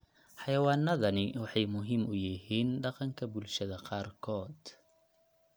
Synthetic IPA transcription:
ħɑjɐwɑːnːɐðɐnɪwɑħɑjmʊɦɪmʊjɪɦiːnɖɑqɑŋkʰɐbʊlʃɐðɐqɑːrkʰɔːd̪

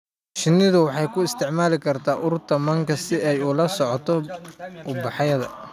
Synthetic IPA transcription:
ʃɪnːɪðʊwɑħɑjkʰʊɪst̪ʰɪʕmaːlɪkʰɐrt̪ʰaːʔʊɾʊrt̪ʰɐmɐŋkʰɐsɪɛjʊlɐsɔʕɔt̪ʰɔʔʊbɑħɑjɐðɐ̰

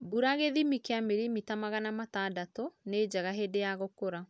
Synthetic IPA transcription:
buɾaɣeðimikeameɾimitamaɣanamatadatoneːd͡ʒaɣaɦedejaɣokoɾa

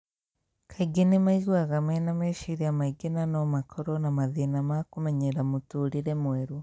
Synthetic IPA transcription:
kʰaiɡinimaiɣwaɣamenameʃiɾiamaiɡenanomakʰoɾonamaðinamakumeɲeɾamutuɾiɾemweɾu

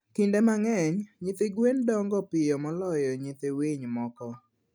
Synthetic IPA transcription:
kindemaŋɛɲɲit̪eɡwendɔŋɡɔpɪjɔmɔlɔjɔɲɪt̪eweɲmɔkɔ

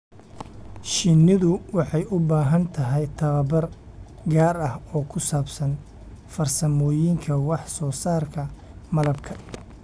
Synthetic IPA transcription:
ʃɪnːɪðʊwɑħɑjʊbaːɦɐnt̪ʰɐɦɛjt̪ʰɐβɐbɐr | ɡaːrɐhɔːkʰʊsaːbsɐn | fɐrsɐmɔːjɪŋkʰɐwɑħsɔːsaːrkʰɐ | mɐlɐbkʰɐ̥

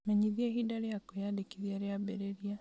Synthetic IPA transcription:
meɲiðiehidaɾejakojadekiðiaɾeabeɾeɾia

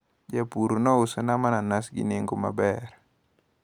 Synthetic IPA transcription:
d͡ʒapuɾnɔusənamananasɡḭniŋɡuma̰bɛɾ

